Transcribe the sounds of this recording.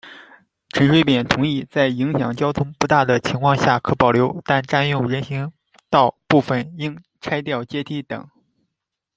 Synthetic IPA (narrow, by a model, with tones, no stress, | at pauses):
ʈ͡ʂʰə˧˥nʂwe˥ɪpjɛ˨˩nt̪ʰʊ˧˥ŋi˥˧t͡sa˥˩ɪi˧˥ŋɕjɑ̰˨˩ŋt͡ɕjɑ˥ʊt̪ʰʊ˥ŋpu˧˥t̪a˥˩d̪ə˩t͡ɕʰi˧˥ŋkʰwɑ˥˧ŋɕja˥˩kʰɤ˧˥˩pɑ˨˩ʊljo˧˥ʊt̪a˥˧nʈ͡ʂa˥˧njʊ˥˩ŋɻə˧˥nɕi˧˥ŋ | t̪ɑ˥˧ʊpu˥˩fə˩ni˥ŋ | ʈ͡ʂʰa˥ɪt̪jɑ˥˩ʊt͡ɕjɛ˥t̪ʰi˧˥t̪ɤ̰˨˩˦ŋ